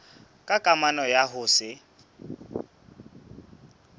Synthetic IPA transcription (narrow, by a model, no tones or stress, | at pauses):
kʼakʼamanɔjaɦʊsɪ